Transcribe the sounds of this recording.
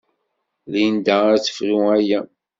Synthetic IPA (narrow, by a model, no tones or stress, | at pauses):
lind̪æɾt͡sːə̥fɾiæjæ